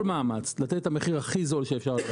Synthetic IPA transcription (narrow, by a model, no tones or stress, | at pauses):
lmaːmat͡slat̪et̪ameχiʁhaχizolʃeefʃaʁ